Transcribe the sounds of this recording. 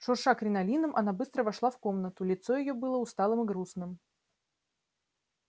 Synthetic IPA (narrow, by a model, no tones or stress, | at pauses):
ʂʊrʂakɾʲɪnɐlʲinəmʔɐ̰nabɨst̪ɾəvɐʂlˠafko̞mnət̪ʊlʲɪt̪so̞jɪjobɨlˠəʊst̪alˠɨmɨɡɾusnɨm